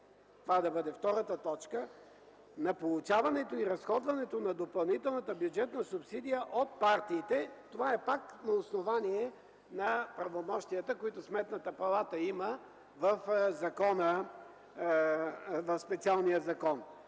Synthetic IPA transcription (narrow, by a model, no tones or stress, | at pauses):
t̪ovad̪ɐbɤd̪ɛft̪ɔɾət̪ət̪ɔt͡ʃkə | nɐpolˠut͡ʃavɐnɛt̪oiɾɐsxɔd̪vɐnɛt̪onɐd̪opɐlˠnit̪ɛlˠnət̪əbjud͡ʒɛt̪nəsʊpsid̪ijəʔot̪̚paɾt̪iːt̪ɛt̪ovaɛpaknɐosnovaniɛ | nɐpɾɐvomɔʃt̪ijət̪əkoit̪ʊsmɛt̪nət̪əpɐlˠat̪əimə | vəfzɐkɔnə | vɐfspɛt̪sialˠnijəzɐkɔn